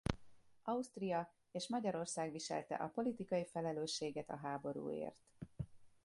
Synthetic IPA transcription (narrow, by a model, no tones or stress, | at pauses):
ɒust̪rijɒ | eːʃmɒɟɒɾo̞rsaːɡʋiʃɛ̰lt̪ɛ̰ʔɒpo̞lit̪ikɒjifɛlɛløːʃːeːɡɛt̪ɒ̰ɦaːbo̞ɾṵːḛːrt̪